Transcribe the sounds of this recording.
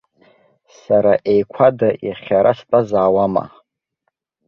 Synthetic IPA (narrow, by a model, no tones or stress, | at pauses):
saɾaʔejkʷʰadaʔjaχʲaɾastʼazaːwama̰